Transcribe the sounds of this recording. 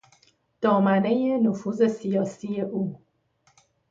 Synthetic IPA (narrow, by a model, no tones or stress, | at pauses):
d̪̥ɒːmæne̞jenofuːze̞sijɒːsije̞ʔuː